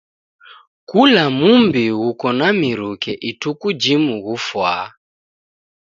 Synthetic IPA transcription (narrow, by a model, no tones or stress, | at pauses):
kulamumbiɣukɔnamiɾukɛʔitukud͡ʒimuɣufwa̰ː